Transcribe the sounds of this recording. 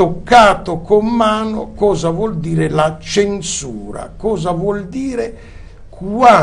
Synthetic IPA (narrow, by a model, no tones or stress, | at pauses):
okːaːt̪okomːaːnokɔːzavwɔld̪iːɾelat͡ʃensuːɾa̰kɔːzavwɔld̪iːɾe | kwa